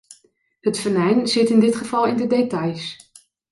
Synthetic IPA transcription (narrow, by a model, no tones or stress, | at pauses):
ɦətfənɛjnz̥ɪtɪndɪtχəv̥ɑlˠɪndədejtɑjs